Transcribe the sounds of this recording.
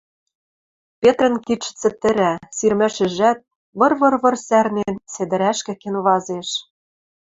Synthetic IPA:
pʲet̪rə̆nkit͡ʃːɘ̥̆t͡sɘ̆t̪ɘ̆ɾæsirmæ̆ʃɘ̆ʒæt̪̚ | βɤ̆rβɤ̆rβɤ̆rsærnensed̪ɘ̆ɾæʃkɘ̆kenβɑzeʃ

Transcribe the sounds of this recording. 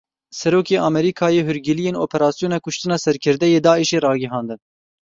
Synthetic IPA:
sɛɾoːkeːʔɑːmɛɾiːkʰɑːjeːɦʊɾɡɪlijeːnoːpʰɛɾɑːsijoːnɑkʰʊʃt̪ɨnɑːsɛɾkʰɨɾd̪ɛjeːd̪ɑːiʃeːɾɑːɡɪɦɑːnd̪ɨn

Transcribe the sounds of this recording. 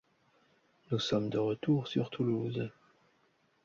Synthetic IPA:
nusɔmd̪əʁət̪uʁsyʁt̪ʰuluz

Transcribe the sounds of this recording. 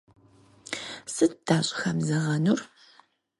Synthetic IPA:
sɨt̚d̥aːɕʼxɐmzɐʁɐnur

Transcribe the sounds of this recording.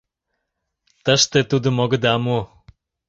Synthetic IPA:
t̪əʃt̪et̪ud̪ə̆moɡə̆d̪ɑmu

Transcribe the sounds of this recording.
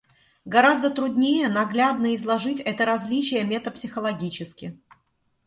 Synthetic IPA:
ɡɐɾazd̪ət̪ɾʊd̪ʲnʲejənɐɡlʲad̪nəɪzlˠɐʐɨtʲɛt̪əɾɐzʲlʲit͡ɕɪjəmʲet̪əpsʲɪxəlˠɐɡʲit͡ɕɪskʲɪ

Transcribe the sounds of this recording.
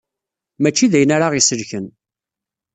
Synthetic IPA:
mæt͡ʃːiðæjənaɾaʁisəlçən

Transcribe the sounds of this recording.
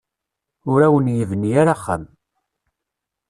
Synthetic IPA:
ʊɾæwənjəvənːijaɾaχːə̰m

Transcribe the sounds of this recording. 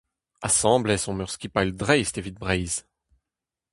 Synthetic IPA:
asɑ̃blɛsɔ̃mœʁskʲipald̪ʁɛjst̪evit̪̚bʁɛjz

